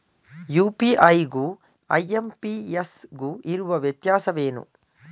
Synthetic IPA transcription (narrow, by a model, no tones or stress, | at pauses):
juːpiʔɐjɡuː | ɐ̰jempiesɡuʔiɾuʋɐʋjɐt̪jaːsɐʋeːnṵ